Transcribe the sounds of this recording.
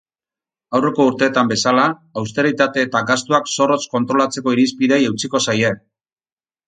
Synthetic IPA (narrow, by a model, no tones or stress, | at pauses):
awre̞ko̞uɾt̪e̞ːt̪ambe̞salaːws̬t̪e̞ɾit̪at̪e̞ːt̪aɡast̪uakso̞ro̞sko̞nt̪ɾo̞lat͡se̞ko̞iɾispiðe̞jewt͡siko̞saje̞